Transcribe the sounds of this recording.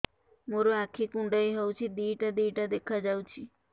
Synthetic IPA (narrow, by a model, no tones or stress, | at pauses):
moɾoakʰːikũɳɖaiɦɛut͡ʃʰid̪iːʈad̪iːʈad̪ekʰad͡ʒawt͡ʃʰi